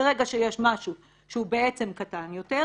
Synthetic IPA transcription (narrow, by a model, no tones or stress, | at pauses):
eʁeɡaʃejeʃmaʃu | ʃeubeet͡se̞mkatanjo̞te